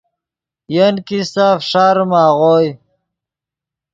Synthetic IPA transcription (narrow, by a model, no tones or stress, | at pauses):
jənkisaːfʂaɾmaːʁoj